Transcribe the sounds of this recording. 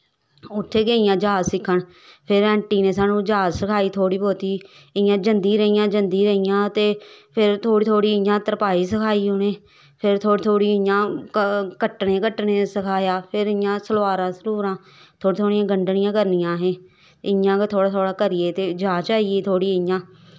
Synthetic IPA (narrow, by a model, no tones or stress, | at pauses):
ʊt̪ʰːeːɡeːɪjãːd͡ʒaːzsɪkʰːəɳ | pʰɪɾɛ̃ːɳʈiːneːs̬aːnũːd͡ʒaːzsəkʰaːiːt̪ʰoːɽiːpoːt̪iː | ɪjãːd͡ʒənd̪iːɾəijãːd͡ʒənd̪iːɾəijãːt̪eːpʰɪɾt̪ʰoːɽiːt̪ʰoːɽiːɪjãːt̪əɾpaːiːsəkʰaːiːɦoneː | pʰɪɾt̪ʰoːɽiːt̪ʰoːɽiːɪjãː | kəʈːɳeːkəʈːɳeːsəkʰaːjaːpʰɪɾɪjãːsəlʋaːɾãːsəluːɾãː | t̪ʰoːɽiːt̪ʰoːɽijãːɡəɳɖɳɪjãːkəɾnɪjãːɦẽː | ɪjãːt̪ʰoːɽaːt̪ʰoːɽaːkəɾiːeːt̪eːd͡ʒaːt͡ʃaːiːeːt̪ʰoːɽiːɪjãː